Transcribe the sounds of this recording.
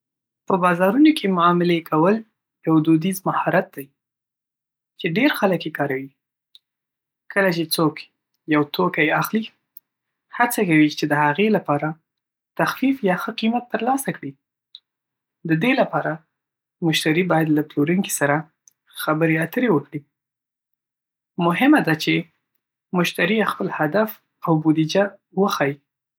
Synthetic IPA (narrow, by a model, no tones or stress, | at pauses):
pəbɑzɑɾunokʰemʊɑmɪlekʰawəl | jawd̪od̪izmahɑɾat̪̚d̪aj | t͡ʃeɖeɾxaləkjekɑɾawi | kʰəlat͡ʃet͡sok | jawt̪okajaxli | hat͡sakawit͡ʃed̪əhaɣelapɑɾa | t̪axfifjɑxəqimat̪ːəɾlɑsakɽi | d̪əd̪elapɑɾa | mʊʃt̪aɾibɑjad̪laploɾuŋki̥saɾa | xabəɾeat̪əɾewəkɽi | mʊɦɪmad̪at͡ʃe | mʊʃt̪aɾijaxpəlhad̪af | awbud̪id͡ʒa | wəxɑji